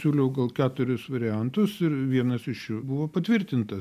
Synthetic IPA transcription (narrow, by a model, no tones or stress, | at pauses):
sʲuːlʲɛʊɡɐlˠkʲæːt̪ʊɾʲʊsʋɐɾʲɪænt̪ʊsɪɾʋʲiɛnɐsɪʃjʊbʊʋoːpɐt̪ʲʋʲɪɾʲt̪ʲɪnt̪ɐ